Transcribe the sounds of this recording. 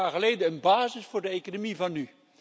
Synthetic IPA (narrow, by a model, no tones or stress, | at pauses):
aːɹχəlejdəənbaːzɪsfʊːɹdəejkonomivɑnːy